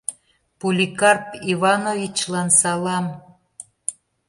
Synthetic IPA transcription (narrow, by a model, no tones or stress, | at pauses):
pulʲikɑrpiβɑnovʲit͡ɕlɑnsɑlɑm